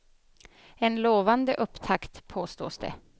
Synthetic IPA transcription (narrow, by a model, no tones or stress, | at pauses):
ɛnloːvand̪əʔɵpːt̪ʰakt̪pʰːoːst̪o̰ːsd̪ɛ̰